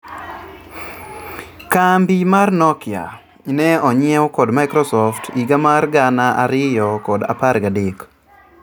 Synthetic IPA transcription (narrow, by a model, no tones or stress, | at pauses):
kambimarnɔkja̰ | nɛɔɲɛwɔkɔdmajkɾɔsɔftiɡamarɡanaʔa̰ɾɪjɔkɔda̰parɡadɪk